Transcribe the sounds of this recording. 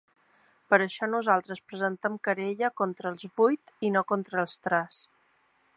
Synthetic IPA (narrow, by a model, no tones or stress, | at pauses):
pəɾəʃɔnuzalˠt̪ɾəspɾəzənt̪əmkəɾeʎəkɔnt̪ɾəːlˠzβujt̪inokont̪ɾəːlˠst̪ɾɛs